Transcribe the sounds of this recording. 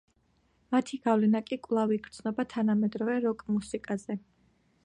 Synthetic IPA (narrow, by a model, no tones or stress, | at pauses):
mat̪ʰiɡ̥avlɛnakʼikʼwlˠaviɡ̥ɾt̪sʰnɔbat̪ʰanamɛd̪ɾɔvɛɾɔkʼmusikʼazɛ